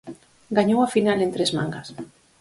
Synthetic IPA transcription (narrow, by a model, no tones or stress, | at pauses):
ɡaɲowafinalent̪ɾezmã̰ŋɡas